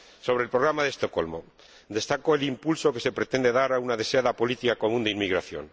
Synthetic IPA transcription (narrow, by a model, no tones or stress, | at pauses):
so̞β̞ɾelpɾoɣɾamaðest̪o̞ko̞̰lmo̞̰ | d̪e̞st̪ako̞elimpulso̞ke̞se̞pɾe̞t̪end̪e̞ðaɾaunaðe̞seaðapo̞lit̪ikako̞mũnd̪einmiɣɾaθjo̞̰n